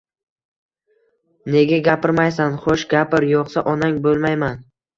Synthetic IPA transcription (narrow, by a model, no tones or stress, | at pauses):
ne̞ɡʲaɡʲapʰɪɾmajsanχoʃɡʲapɪɾjɒqsaʔɒnaŋʲbolˠmajman